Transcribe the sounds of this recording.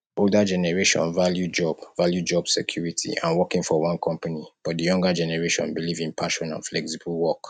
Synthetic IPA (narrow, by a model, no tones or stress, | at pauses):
oldad͡ʒɛnɛɹeʃɔ̰̃nvaljud͡ʒɔb̥valjud͡ʒɔbsɛkʰjuɹitʰḭã̰nwɔkĩŋfɔwɔ̃nkʰɔ̃mpanib̥ɔt̚dəjɔ̃ŋɡəd͡ʒɛnɛɹeʃɔ̰̃nbilivĩnpʰaʃɔ̃nã̰nflɛksiblwɔk